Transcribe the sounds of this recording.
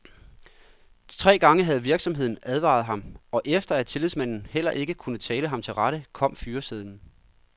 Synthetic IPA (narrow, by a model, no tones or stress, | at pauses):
t͡sʰʁɛ̰ːɡ̥ɑ̈ŋəɦæð̞ˠʋiɐɡ̥sɒ̽mɦe̝ð̞̰ˠn̩æð̞ˠʋɑ̰̈ð̞̩ˠɦɑ̈mɒ̽ʔefd̥ɐæt͡sʰe̝liðˠsmæn̰n̩hel̰ɐʔe̝ɡ̥əkʰunət͡sʰɛːləɦɑ̈mt͡sʰe̝lʁɑɾ̥əkʰɒ̽m̰fyːɐseðˠn̩